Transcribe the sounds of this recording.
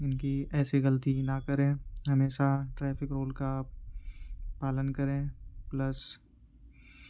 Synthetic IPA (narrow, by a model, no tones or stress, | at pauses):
ɪnkiɛːsiɣɐlət̪inakɐɾẽːɦɐmeːʃaʈɾɛːfɪkɾoːlka | paːlənkɐɾẽːplɐs